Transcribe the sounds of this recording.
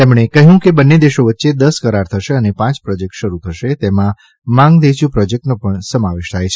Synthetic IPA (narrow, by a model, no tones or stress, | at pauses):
t̪emɳ̃ekəɦjũkebənːed̪eʃoʋətːʃed̪əskəɾaɾt̪ʰəʃeənepãt͡ʃpɾɔd͡ʒek̚ʈʃəɾut̪ʰəʃet̪emã | mãŋɡd̪et͡ʃũpɾɔd͡ʒek̚ʈnopəɳsəmaʋeʃt̪ʰajt͡ʃʰe